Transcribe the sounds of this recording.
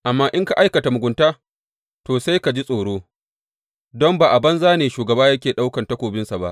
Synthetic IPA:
ʔa˨mːaː˦ʔɪ˦ŋka˨ʔa˦jkɐ˨ta˨mʊ˨ɡʷʊ˨ntaː˦ | toː˨sa˦jka˨d͡ʒi˦sʼoː˨ɽoː˦ | dɔ˦mbaː˨ʔa˨bɐ˦nzaː˦neː˨ʃuː˨ɡɐ˨baː˦jɐ˦kʲeː˨ɗa˦wkɐ˨ntɐ˦kʷoː˨bɪ˦nsa˨ba̰˦ʔ

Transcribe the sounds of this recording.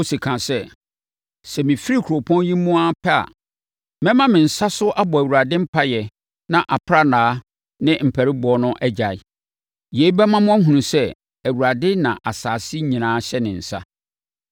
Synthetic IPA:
o˦si˨kʰã˨sɛ˦ | sɛ˨mɪ̃˨fi˦ɾi˦˨kʰo˨pʰɔ̃˦njĩ˦mũ˦a˦pʰɛ˦a̰˨ | mɛ̃˦mã˦mɪ̃˨n̩˨sa˦sʊ˦ʔa˦bɔ˨æ˨wu˨ɾa˨dɪ̃˦m̩˦pʰa˦jɛ˨ | nã˨ʔa˨pʰɾa˦nãː˨˦ | nɪ̃˦m̩˨pʰæ˨ɾɪ˦bʊ˨˦ɔ˦nʊ̃˦ʔɛ˦d͡ʑa˨ɪ˨ | je˨˦i˦bɛ˦mã˦mʊ̃˦æ˦ɦũ˨nũ˨sɛ˦ | æ˨wu˨ɾa˨dɪ˦nã̰˨ʔa˨saː˨sɪ˦ɲĩ˨nãː˨˦ɕɛ˦nɪ̃˨n̩˨sa̰˦

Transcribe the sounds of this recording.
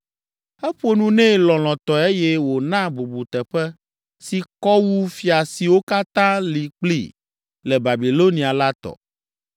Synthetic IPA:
ɛ˦ɸo˦nũ˦nɛ̃˦lɔ̃˨l̃ɔ̃˨t̪ɔ˨e˦jɛ˦wo˨nã˦bu˨bu˨t̪ɛ˨ɸɛ˦ | si˨kɔ˦wu˦fi˨a˨si˨wo˦ka˦t̪ã˦li˨k͡plḭ˦ | lɛ˨ba˨bi˨lo˦nĩ˨a˨la˦t̪ɔ̰˨

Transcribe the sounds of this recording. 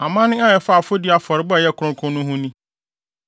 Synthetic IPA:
a˨mãː˦nɪ̃˦a˦jɛ˨fa˦˨fʊ˦dɪ˦a˨fɔ˨ɾɪ˨˦bʊ˦a˨jɛ˦kʰʊ˨ɾʊ̃˦kʰʊ̃˦nːʊ̃˦ɦʊ̃˦nĩ˦

